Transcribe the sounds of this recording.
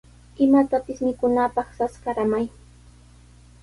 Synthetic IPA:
ɪmat̪apɪsmɪkʊnapɑχsaskaɾamaj

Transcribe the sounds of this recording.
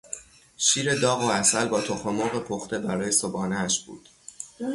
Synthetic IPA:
ʃiːɾe̞d̪ɒːɣoæsælbɒːt̪ʰoxomoɣe̞pʰoxt̪e̞bæɾɒːje̞sobɒːneæʃb̥ṵːd̪̥

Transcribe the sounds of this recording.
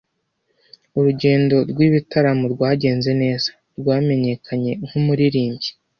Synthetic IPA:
uɾuɟe̞ːndo̞ɾɡwiβitaɾamuɾɡwaːɟe̞ːnze̞ne̞ːz̥ḁ | ɾɡwaːme̞ɲe̞kʰaɲe̞ŋ̥humuɾiɾiːɲɟi̥

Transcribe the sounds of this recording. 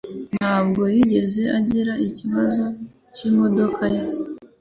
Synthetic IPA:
naːbɡo̞jiɟe̞ze̞aɟiɾaiciβazo̞ | cimo̞do̞kʰaje

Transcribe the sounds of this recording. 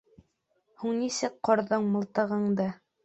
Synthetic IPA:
huɴnisɘk̚qŏɾðɤɴmɤ̆lˠt̪ɤ̆ʁɤ̆ɴd̪ɤ

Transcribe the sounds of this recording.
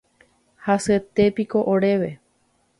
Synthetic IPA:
haset̪e̞piko̞ʔoɾe̞ʋe̞

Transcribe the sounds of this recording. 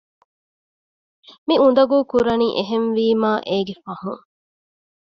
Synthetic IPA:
miund̪ɐɡuːkuɾɐniːʔeɦenʋiːmaːʔeːɡefɐhṵŋ

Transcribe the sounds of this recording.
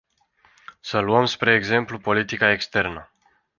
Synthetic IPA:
səluəmspɾe̞ːɡze̞mplupo̞lit̪ikae̞kst̪e̞rnə

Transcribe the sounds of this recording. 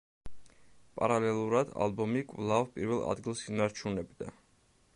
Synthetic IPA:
pʼa̰ɾalɛlˠuɾad̪a̰lˠbɔmikʼvlˠavpʼiɾvɛlˠa̰d̪ɡilˠsinaɾt͡ʃʰunɛbd̪a̰

